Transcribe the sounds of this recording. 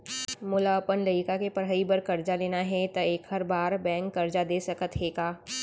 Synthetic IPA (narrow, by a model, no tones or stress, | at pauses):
mʊlapənləɪkakepɐɾɦəibɐɾkɐɾd͡ʒaleːnaɦɛt̪ɐeːkhɐɾbaːɾbɛ̃ːŋkːɐɾd͡ʒad̪eːsɐkət̪ɦeːɡaː